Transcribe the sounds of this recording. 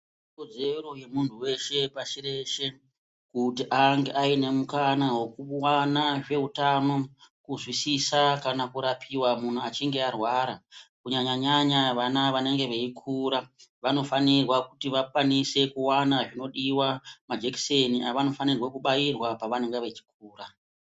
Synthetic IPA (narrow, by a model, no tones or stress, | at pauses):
ikod͡ze̞ro̞je̞muntʰuwe̞ʃe̞paʃire̞ʃe̞ | kutiʔaŋɡe̞ʔaine̞mukanawekuwanaʐe̞utano̞kuzwisisakanakuɾapʰiwamun̤uat͡ʃiŋɡe̞arwaɾakuɲaɲaɲaɲaʋanaʋane̞ŋɡe̞ʋeikʰuːɾaʋano̞fanirwakutiʋakwanise̞kuwanaʐino̞ɗiwamad͡ʒekseniaʋano̞fanirwakuɓajirwapaʋane̞ŋɡeʋe̞t͡ʃi̥k̚uːra